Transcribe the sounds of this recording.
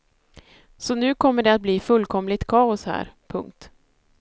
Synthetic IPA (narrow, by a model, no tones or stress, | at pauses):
sɔnʉ̟ːkʰɔmːəɖɛat̪̚bliːfɵlːkʰɔmlɪt̪kʰɑːʊshæ̰ːɾpʰɵŋk̚t̪